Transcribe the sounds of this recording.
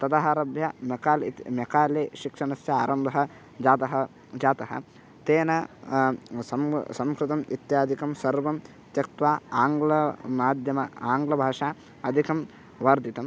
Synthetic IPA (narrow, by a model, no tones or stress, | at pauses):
t̪ɐd̪ɐɦaːɾɐbʱjɐmɐkaːlmjɐkaːleːʃikʂɐnɐsjɐaːɾɐmb̪ʱɐɦɐ̆ | d͡ʒaːt̪ɐɦɐ | d͡ʒaːt̪ɐɦɐ̰ | t̪eːnɐ | sɐmsɐmkɾɪt̪ɐmḭt̪jaːd̪ʱikɐmsɐɾʋɐm | t̪jɐk̚t̪ʋaːaːŋɡlɐmaːd̪ʱjɐmɐaːŋɡlɐbʱaːʂaː | ɐd̪ʱikɐm | ʋaɾd̪it̪ɐm